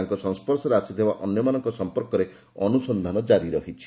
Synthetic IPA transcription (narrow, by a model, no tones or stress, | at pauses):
aŋkɔsɔŋspɔɾsɔɾeasʰit̪ʰebaʔɔnjɔmanɔŋkɔsɔmpɔɾkɔɾe | ɔnusɔnd̪ʱanɔd͡ʒaɾiɾɔɦit͡ʃʰi̥